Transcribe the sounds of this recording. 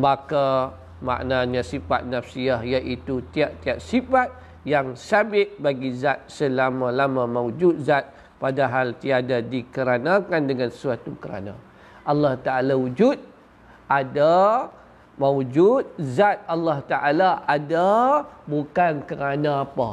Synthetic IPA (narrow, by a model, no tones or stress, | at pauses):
baka | ma̰ʔnaɲasifa̰t̪̚nafsiaɦjaʔit̪ut̪iaʔt̪iaʔsifat̪̚ | jaŋsabɪt̪̚baɡizat̪̚səlamãlamãmawd͡ʒut̪̚zat̪̚ | padaɦalt̪iadadikəɾanakandəŋanəsuat̪ukəɾa̰na̰ | ʔalːɑht̪aʔalawud͡ʒut̪̚ | ʔada | mawd͡ʒut̪̚zat̪̚alːaht̪aʔalaʔadabukankəɾanaːpa